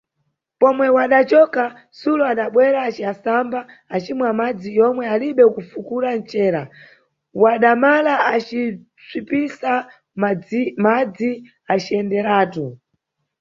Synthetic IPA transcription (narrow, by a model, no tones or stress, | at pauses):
pɔmwɛwaɗat͡ʃɔka | suluaɗaɓwɛɾaːt͡ʃiasambaː | t͡ʃimwamad͡zijɔmwɛaliɓɛkufukuɾant͡ʃɛːɾa | waɗamalaat͡ʃi | t͡sʰwipisa | mad͡zi | at͡ʃiɛndɛɾaːtu